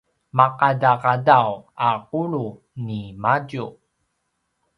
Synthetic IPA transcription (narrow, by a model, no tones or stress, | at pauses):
maqadaqadawaquɭu | nimaɟu